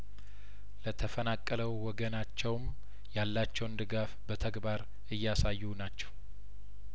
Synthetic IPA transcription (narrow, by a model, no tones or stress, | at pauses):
lət̪ʰəfənakʼːələwːɔɡənat͡ʃːɛwm | jalːat͡ʃːɛwnd̪ɨɡafbət̪ʰəɡbaɾ | ɨjːasajːunat͡ʃːɛ̥w